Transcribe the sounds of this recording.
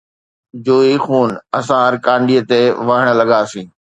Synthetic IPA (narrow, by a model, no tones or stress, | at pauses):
d͡ʑoːixuːnɐsãɾkãːɳɖiːət̪eʋəɦəɽ̃̆lɐɠaːsĩː